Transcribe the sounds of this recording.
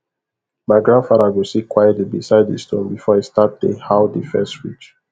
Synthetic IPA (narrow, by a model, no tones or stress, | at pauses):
maɪɡɹãnfaɾaɡisikwajɛtlibisaɪddəstõ̰nbifɔastat̚dẽhawdifɛstɹit͡ʃ